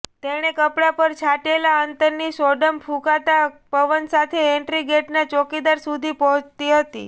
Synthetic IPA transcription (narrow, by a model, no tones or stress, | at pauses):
t̪eɽ̃ekəpɽapəɾt͡ʃʰaʈelaənt̪əɾnisɔɖəmpʰũkat̪apəʋənsat̪ʰeeɳʈɾiɡeʈnat͡ʃokid̪aɾsud̪ʱipɔɦət͡ʃt̪iɦət̪ḭ